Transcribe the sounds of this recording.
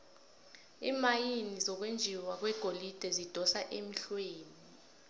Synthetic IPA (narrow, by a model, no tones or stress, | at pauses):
ḭːmajinizɔk̬wend͡ʒʱiwak̬wɛɡ̥ʱolid̥ʱɛzid̥ʱɔsaʔemiɬweːni